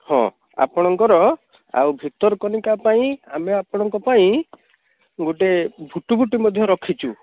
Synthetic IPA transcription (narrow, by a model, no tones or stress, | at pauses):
hɔ̰̃ | a̰pɔɽ̃ɔŋkɔɾɔ | a̰wbʱit̪ɔɾɔkɔnikapaĩameapɔɽ̃ɔŋkɔpaĩ | ɡoʈebʱuʈubʱuʈimɔd̪ʱjɔɾɔkʰit͡ʃʰu